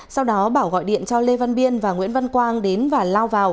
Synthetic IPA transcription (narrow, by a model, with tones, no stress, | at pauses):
sa˧wɗɔ˨˦ɓaː˧˩wɣɔ̰˧˨jɗḭ˧˨ənt͡ɕɔ˧le˧va˧nɓi˧ənvaː˨˩ŋwḭ˧˥ənvə˧nkwaː˧ŋɗe˨˦nvaː˨˩laː˧wvaː˨˩w